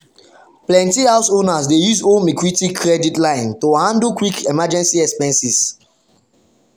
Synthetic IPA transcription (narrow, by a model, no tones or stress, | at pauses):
plɛ̃ntihaʊsonasdejuzõmikɹitikʰɹɛditlãɪ̃ntohãndəlkwikɛmad͡ʒɛ̃nsiɛkspɛ̃nsis